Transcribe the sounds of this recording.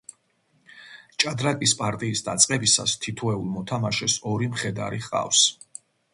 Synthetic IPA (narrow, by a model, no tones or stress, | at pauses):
t͡ʃʼad̪ɾakʼispʼaɾt̪ʼiːsd̪at̪sʼqʼɛbisa̰st̪ʰit̪ʰɔɛulˠmɔt̪ʰamaʃɛsɔɾimχɛd̪a̰ɾiχqʼa̰fs